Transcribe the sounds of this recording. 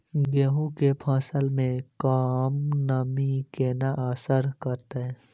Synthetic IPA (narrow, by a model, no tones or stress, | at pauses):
ɡeːɦũkepʰãːsəlmẽkaːmnɐmikenaʔaːsəɾkəɾt̪aɦɛ̃ː